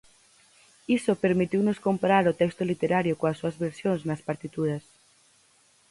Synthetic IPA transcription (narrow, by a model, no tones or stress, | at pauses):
isopeɾmit̪iwnoskompaɾaɾʊt̪ɛkst̪olit̪eɾaɾjokoɐsːuɐzβeɾsjoŋznɐspaɾt̪it̪uðɐs